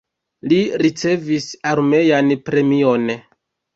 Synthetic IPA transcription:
liɾit͡se̞visaɾme̞janpɾe̞mio̞n

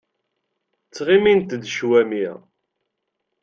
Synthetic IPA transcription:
t͡sːʁimint̪d̪ʃwæmḭ

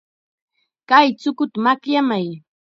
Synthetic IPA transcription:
kajt͡sʊkʊt̪amakʎamaj

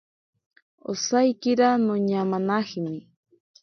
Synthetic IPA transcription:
o̰sajkɪɾanoɲamanaχmɪ

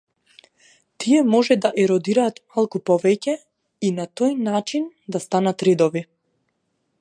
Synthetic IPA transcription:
t̪ʰiɛmɔʒɛd̪aʔɛɾɔd̪iɾaːt̪malˠkupɔvɛcɛ | inat̪ɔjnat͡ʃind̪ast̪anat̪ɾɛd̪ɔvi

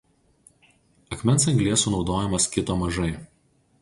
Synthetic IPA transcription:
ɐkmʲɛns̬ɐŋʲɡlʲiɛsuːnɒʊd̪oːjɛmɐskʲɪt̪oːmɐʒɐɪ

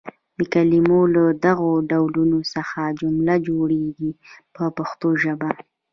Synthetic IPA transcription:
d̪əkalimolad̪aɣoɖawlunosəxad͡ʒʊmlad͡ʒoɽeɡipəpaxt̪oʒəba

